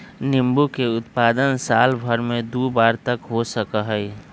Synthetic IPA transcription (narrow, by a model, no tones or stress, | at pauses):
nɪmbukeʊt̪paːd̪ənsaːlbʱəɾmẽd̪ubaːɾt̪əkɦosəkəɦəj